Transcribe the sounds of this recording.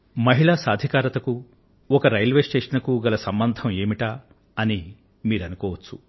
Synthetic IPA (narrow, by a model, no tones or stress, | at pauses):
mɐɦiɭaːsaːd̪ʱikaːɾɐt̪ɐku | ɔkɐɾɐjlʋeːsʈeːʂɐnɐkuɡɐlɐsɐmbɐnd̪ʱɐme̞ːmiʈaː | ɐni | miːɾɐnukɔːʋɐt͡ʃːu̥